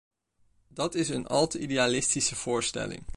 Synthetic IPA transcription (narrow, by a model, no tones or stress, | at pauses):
dɑtɪsənɑ̰lˠtəideaːlɪstisəv̥ʊːɹstɛ̰lɪ̰ŋ